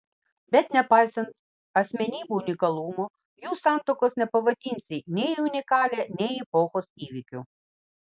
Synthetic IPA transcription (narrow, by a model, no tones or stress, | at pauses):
bɛt̪ʲnʲɛpɑjsɐnt̪ | ɐsʲmʲɛnʲibuwnʲikɐlˠumɔ | jusɑmt̪ɔkɔsnɛpɔʋɐt̪ʲinʲt͡sʲinʲɛjiʊnʲɪkɑlʲɛnʲɛjipɔxɔsiʋʲikʲʊ